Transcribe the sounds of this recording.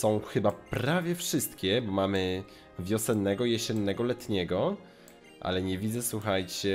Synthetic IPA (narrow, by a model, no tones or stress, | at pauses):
sɔ̃w̃xɘbapɾavʲjɛfʂɘst̪kʲɛbɔmamɘ | vʲjɔsɛnːɛɡɔjɛɕɛnːɛɡɔlɛt̪ɲɛɡɔ | ʔa̰lɛɲɛvʲid̪zɛswuxajt͡ɕɛ